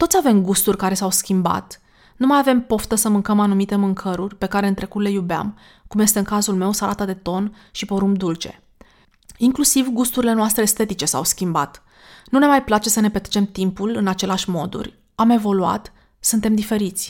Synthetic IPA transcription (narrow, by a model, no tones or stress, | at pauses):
t̪o̞t̪sʲave̞mɡust̪urʲkaɾe̞sawskʲimba̰t̪ | numajave̞mpo̞ft̪əsəmɨŋkəmanumit̪e̞mɨŋkʰəɾurʲpe̞kaɾe̞ɨnt̪ɾe̞kut̪le̞jubea̰m | kumje̞st̪eɨŋkazulme̞wsalat̪əd̪e̞t̪o̞n | ʃipo̞ɾumpd̪ult͡ʃe̞̰ | iŋklusivɡust̪uɾile̞noast̪ɾe̞ːst̪e̞t̪it͡ʃe̞sa̰wskʲimba̰t̪ | nune̞majplat͡ʃe̞səne̞pet̪ɾet͡ʃe̞mt̪impulɨnat͡ʃe̞leaʃʲmo̞d̪ṵrʲ | ame̞vo̞lua̰t̪ | sunt̪e̞md̪ife̞ɾit̪sʲ